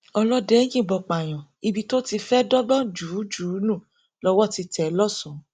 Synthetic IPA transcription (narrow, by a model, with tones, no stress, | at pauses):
ɔ˧lɔ˦dɛ˨˦j̃ĩ˦˨bɔ˧˨k͡pa˨j̃ɔ̃˨ | i˧bi˧to˦ti˧fɛ˦dɔ˦ɡ͡bɔ˦d͡ʒuː˨˦d͡ʒuː˨˦nũ˦˨ | lɔ˦wɔ˦˨ti˧tʰɛ˨˦lɔ˦sũ˨˦